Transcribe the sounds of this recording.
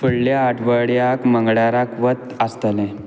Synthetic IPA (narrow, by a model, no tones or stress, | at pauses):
fəɽljaːʈʰʋəɽjakməŋɡɽaɾakʋət̪ast̪əlẽ